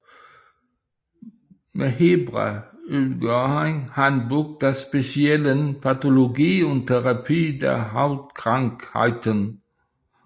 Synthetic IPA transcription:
mʔɛheːbʁa̰ʔylɡəaɪnhand̚buk̚d̥eːɐspesjɛlənpʰatoloɡiːʊntʰːɛʁapʰiːdḛːɐɦaʊtkʁ̥aŋkha̰ɪtən

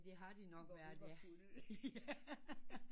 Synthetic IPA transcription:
d̥e̝ɦɑ̈d̥inɒ̽ɡ̥ɒʋæɐdfulˠ

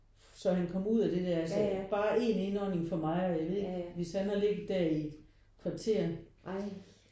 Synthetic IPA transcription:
sɒ̽ɦænkʰɒ̽muð̰ˠæd̥e̝d̥æɐælsəb̥ɑ̈ːʔe̝ne̝nɒne̝ŋfɒ̽mɑ̈ɪɒjɑ̈ɪʋe̝ð̰̥ˠʋe̝shænhɑ̈le̝ɡ̥ð̩ˠd̥æɐied̥ | kʰʋɑ̈t͡sʰe̝̰ɐ

